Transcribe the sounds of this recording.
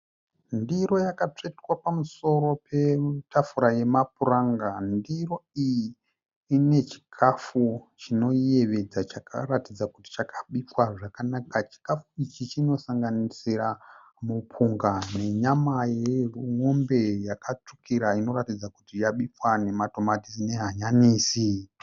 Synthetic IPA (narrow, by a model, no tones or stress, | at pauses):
ndiɾo̞jakat͡ʂetwapamuso̞ɾo̞pʰe̞tʰafuɾaje̞mapuraŋɡandiro̞ijiː | ine̞t͡ʃi̥kʰafut͡ʃino̞je̞ʋe̞d͡zat͡ʃakʰa̰ɾatid͡zakuti̥t͡ʃakʰaɓipwaʐakanakat͡ʃi̥kafuit͡ʃit͡ʃino̞saŋɡanisiɾa | mupʰuŋɡane̞ɲamajeruŋo̞mbe̞jakat͡ʂukiɾaino̞ɾatid͡zakutijaɓipwane̞mato̞matisine̞ɦaɲaniːsi